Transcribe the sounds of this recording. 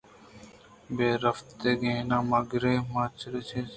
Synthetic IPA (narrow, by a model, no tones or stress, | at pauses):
beːɾɐft̪eːɡẽːnãːmɐɡɾeːmat͡ʃʰɾet͡ʃʰe